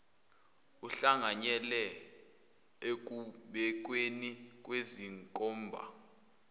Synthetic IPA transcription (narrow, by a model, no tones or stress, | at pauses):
uɬaŋaɲɛlɛ | ek̬ʼuɓɛk̬ʼwenikʼweziŋkʼɔːmbʱa̰